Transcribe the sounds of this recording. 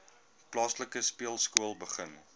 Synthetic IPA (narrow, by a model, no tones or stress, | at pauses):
plɑːsləkəspiəlˠskuəlˠbəχən